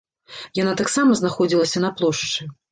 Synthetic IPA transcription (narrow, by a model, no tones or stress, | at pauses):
janat̪aksamɐznaxɔd͡zʲilˠɐsʲɐnɐplˠɔʂt͡ʂɨ